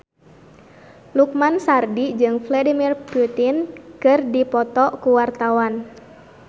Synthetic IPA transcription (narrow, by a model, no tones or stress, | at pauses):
luk̚mansardid͡ʒɨŋfladimirput̪inkɨrdipɔt̪ɔkuwart̪awan